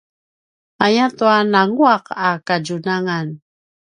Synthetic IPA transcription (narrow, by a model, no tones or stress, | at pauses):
ajatuanaŋuaqakaɟunaŋan